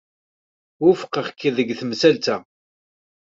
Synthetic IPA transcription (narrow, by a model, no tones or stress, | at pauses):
ʊfə̥qːəχkːiðəɡθəmsælt̪æ